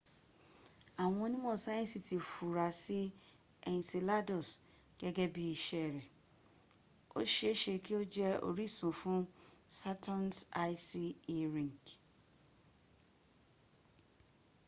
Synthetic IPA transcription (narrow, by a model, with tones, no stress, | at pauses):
a˨w̃ɔ̃˧o˧˦nĩ˦mɔ̃˦˨sa˦ɛ̃˦˨si˨ti˨fu˨ɾa˨si˦ | ɛ̃˨n˨se˨la˦do˨s | ɡ̥ɛ˦ɡɛ˦bi˦i˧ʃɛ˦˨ɾɛ˨ | o̰˦ʃe˦e˦ʃe˧ki˦o˦d͡ʒɛ˦o̰˦ɾi˦˨sũ˨fũ˦sa˦tʰã˦nsa˦i˦si˦ɾĩ˨ŋ˨k